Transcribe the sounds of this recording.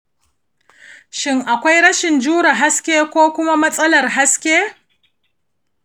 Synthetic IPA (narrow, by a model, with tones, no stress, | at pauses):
ʃɪ˦ŋʔa˨kʷa˦jɽɐ˦ʃɪ˨nd͡ʒuː˦ɽa˨ɦa˦skʲeː˦kʷoː˦kʷʊ˦ma˦mɐ˦sʼɐ˦lɐ˨rɦa˦skʲeː˦